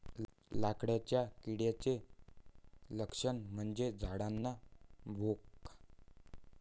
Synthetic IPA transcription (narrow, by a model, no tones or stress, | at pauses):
lakɽjat͡ɕjakiɽjat͡se | ləkʂəɳm̤əɳd͡ʑed͡zʱaɽanːaʋʱok